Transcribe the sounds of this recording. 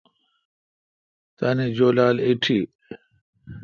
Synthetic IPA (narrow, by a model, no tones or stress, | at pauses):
t̪aned͡ʑoːlaːliʈʰi